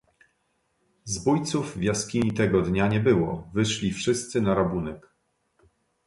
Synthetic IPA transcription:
zbujt̪suvvʲjaskʲiɲit̪ɛɡɔd̪ɲaɲɛbɘwɔ̰vɘʂlʲifʂɘst̪sɘnaɾabunɛk

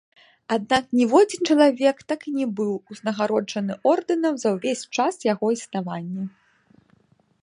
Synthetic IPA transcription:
ad̪naknʲɛvɔd͡zʲint͡ʂɐlˠavʲɛkt̪akinʲɛbɨwuznɐɣaɾɔʐɐnɨʔɔrd̪ɨnɐmzɐwvʲesʲt͡ʂasjaɣɔisnavanʲːɛ

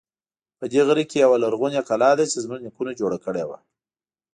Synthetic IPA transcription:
pəd̪eɣəɾikejawalaɾɣunjakalɑd̪at͡ʃezmuʒnikunad͡ʒoɽakəɽewa̰

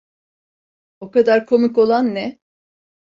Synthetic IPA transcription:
o̞kad̪aɾkʰo̞miko̞lˠanːɛ

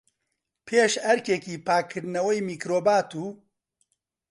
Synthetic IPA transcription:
pʰeːʃɐɾkekiːpʰaːkʰːɨɾnɐwɛjmiːkɾoːbaːt̪uː

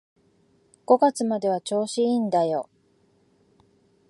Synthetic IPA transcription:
ɡ̥o̞ɡat͡sɨmad̪e̞β̞at͡ɕo̞ːɕiind̪ajo̞

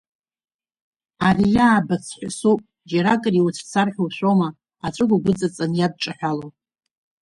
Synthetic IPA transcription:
arijaːbat͡sʰħʷasupʼ | d͡ʒaɾakʼɨriwut͡sʷʰt͡sʰarħʲᶣuwʃʷoma | aʈ͡ʂʷʼɨɡʷaɡʷʊt͡sʼat͡sʼanjad̚ʈ͡ʂʼaħʷᶣalo

